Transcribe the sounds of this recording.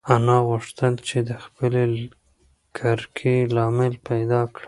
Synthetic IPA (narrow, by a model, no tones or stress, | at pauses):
anɑɣʊʂt̪əlt͡ʃed̪əxpəle | kʰaɾkʰelɑmɪlpajd̪ɑkɽa